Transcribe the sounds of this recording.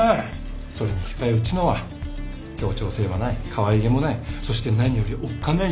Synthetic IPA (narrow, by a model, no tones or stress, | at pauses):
so̞ɾeɲ̟içʲi̥kaeɯ̟t͡ɕino̞βa | kʲo̞ːt͡ɕo̞ːseɾe̞banaikʰaβaiɡe̞mo̞naiso̞ɕi̥t̪e̞naɲ̟ijo̞ɾʲiʔokːane